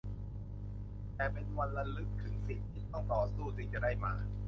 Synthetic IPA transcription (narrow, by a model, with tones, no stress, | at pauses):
t̪ɛː˨˩pe˧nwa˧nla˧lɯ˨˩k̚t̪ʰɯ˩˦ŋsi˨˩t̪̚ʰːiː˥˩t̪ɔ˥˩ŋt̪ʰɔː˩˦suː˥˩t̪ʰɯ˩˦ŋt͡ɕa˨˩da˥˩jmaː˧